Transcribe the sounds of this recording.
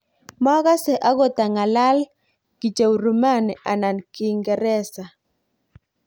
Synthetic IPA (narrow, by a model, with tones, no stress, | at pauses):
mɔ˦ɣa˦sɛ˨ʔa˦ɡɔ˦t̪a˨ŋa˨la˦l | ɡ̥i˨t͡ʃa˨wɾu˨ma˦˨n˨a˨na˨nkɪ˨ŋɡɛ˨ɾɛ˦sa˨